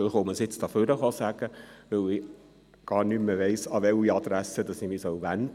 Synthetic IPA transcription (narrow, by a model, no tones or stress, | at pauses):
χoməsɪt͡st̪ɑføɾəχɔsæɡ̥əʋɵlɪ | ɡ̥ɑːɾnymːəʋɛɪsɑʋɛliɑd̥̪ɾæsəd̥ɑsimisœwʋænd